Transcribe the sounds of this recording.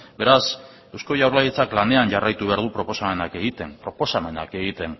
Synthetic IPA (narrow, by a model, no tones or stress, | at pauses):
be̞ɾas | ewsko̞jawɾlajet͡saklande̞anʝarajt̪uβe̞aɾðupɾo̞po̞same̞nake̞ɣit̪e̞npɾo̞po̞same̞na̰ke̞ɣit̪e̞n